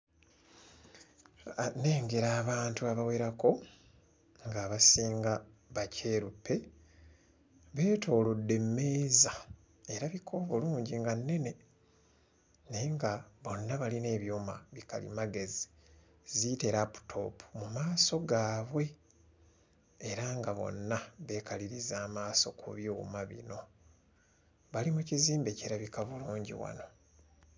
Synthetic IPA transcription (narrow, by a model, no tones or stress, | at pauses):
ane̞ːŋɡe̞ɾaːβaːntuaβawe̞ɾako̞ | ŋɡaːβasiːŋɡa | βacʰe̞ːɾupːe̞ | βe̞ːtʰo̞ːlodːe̞mːe̞ːza | e̞ɾaβikʰo̞ːβuluːɲɟiŋɡanːe̞ne̞ | neŋɡaβo̞nːaβaline̞ːβjoːmaβika̰lḭmaɡe̞zi | zite̞ɾapu̥tʰo̞̰pʰu̥mumaːso̞ɡaːβwe̞ | ɾaŋɡaβo̞̰nːaβe̞kaliɾizaːmaːso̞kʰṵβjuːmaβḭno̞ | βalimuciziːmbe̞ceɾaβikaβuluːɲɟḭwa̰no̞